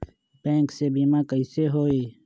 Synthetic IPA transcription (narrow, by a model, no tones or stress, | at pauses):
bɛ̃ːŋksebimakəiseɦoːeː